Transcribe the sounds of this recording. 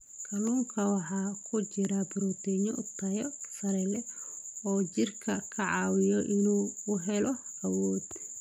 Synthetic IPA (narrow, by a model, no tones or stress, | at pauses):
kʰɐluːŋkʰɐwɑħɑːkʰʊt͡ʃɪɾɐbʊɾɔt̪ʰɛɲɔt̪ʰɐjɔsɐɾɛlɛɔːt͡ʃɪrkʰɐkʰɐʕɑːwɪjɔʔɪnuːʊɦɛlɔɐwɔːd̪̥